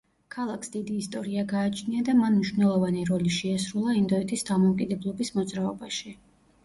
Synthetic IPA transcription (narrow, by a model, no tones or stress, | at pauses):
kʰalˠakʰsd̪id̪iːst̪ʼɔɾiaɡaːt͡ʃʰniad̪amanmniʃvnɛlˠɔvaniɾɔliʃɛasɾulˠaind̪ɔɛt̪ʰisd̪amɔukʼid̪ɛblˠɔbismɔd̪zɾaɔbaʃi